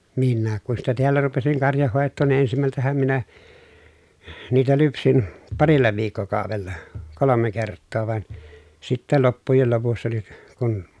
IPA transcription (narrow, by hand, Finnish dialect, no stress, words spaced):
minːæːk kun sitæ teælːæ rupesiŋ kɑrjɑhːoˑetːoːn ni ensimæltæhæm minæ niːtæ lypsin pɑrilːɑ ʋiːkːokɑˑoʋelːɑ kolome kertːoː ʋɑn sitːæ lopːujel lopusːɑ ni kun